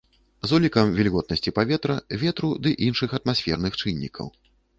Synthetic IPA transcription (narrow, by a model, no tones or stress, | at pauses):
zɔlʲikɐmvʲilʲɣɔt̪nɐsʲt͡sʲipavʲɛt̪ɾɐvʲɛt̪ɾud̪ɨʔinʂɨxɐt̪masʲfʲɛrnɨxt͡ʂɨnʲːikʰɐ̰w